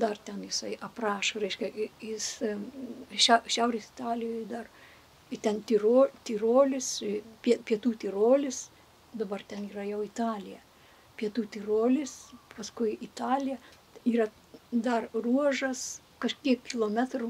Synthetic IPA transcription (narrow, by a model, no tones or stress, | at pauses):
d̪ɐrt̪ʲɛnjɪsɐɪʔɐprɑːʃoɾʲɛɪʃʲkʲɛjɪs | ʃʲɛʊʃʲɛʊɾʲeːsɪ̥t̪ɑːlʲɪjoːjd̪ɐr | ɪt̪ʲɛnt̪ʲiroːt̪ʲiroːlʲɪspʲiɛpʲiɛt̪uːt̪ʲiɾoːlʲɪs | d̪ɐbɐrt̪ʲɛniːɾɐjɛʊɪt̪ɑːlʲɪjɛ | pʲiɛt̪uːt̪ʲiroːlʲɪspɐskʊɪit̪ɑːlʲɪjɛ | iːɾɐ | d̪ɐrruɔʒɐs | kɐʃʲkʲiɛkʲkʲːɪlˠoːmʲæt̪rʊ